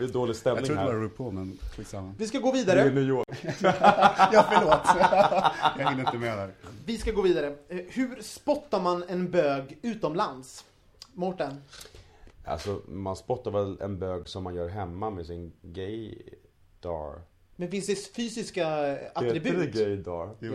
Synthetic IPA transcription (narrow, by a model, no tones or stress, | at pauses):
d̪oːlɪɡst̪ɛmnɪŋɾdaɾɾɵpʰːɔmɛnʰɪsamːanvɪskaɡoːviːd̪aɾənʉːjoːk | jɑːfəɭoːt̪ | ɛnɪəmeːnaɾvɪskaɡoːviːd̪aɾəhʉ̟ɾspɔt̪ːaɾmanɛnbøːɡʉ̟ːt̪ɔmlans | mɔʈːan | a̰lsɔmanspɔt̪ːaɾvɛlɛ̰nbøːɡsɔmːanjœːɾɦɛmːamɛsɪnɡɛj | d̪̥ɑ̰ːɾ | mɛnfɪnsd̪ɛfyːsɪskaaɾɪbʉɡɛjd̪ɑːɾ